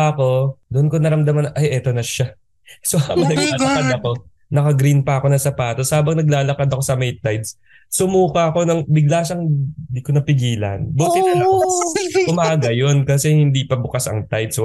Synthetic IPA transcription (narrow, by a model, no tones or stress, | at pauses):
aɐko̞d̪oʔnkonɐɾɐmd̪ɐmanʔɐjʔɛt̪o̞nɐʃa | sohabɐnɐɡlaaːlɐkad̪ɐko̞ | nɐkɐɡɾinpɐɐko̞nɐsɐpaːt̪oshaːbɐŋnɐɡ̚laːlɐkɐd̪ɐko̞sɐmɛjt̪ajd̪s | sʊmuːkɐɐko̞nɐŋbɪɡ̚laːʃɐŋd̪ikonɐpɪɡiːlɐ̰nbot̪ɪɐn | ʊmaːɡɐjo̞nkɐsɛhɪnd̪iːpɐbʊkasɐ̰ŋt̪ajd̪s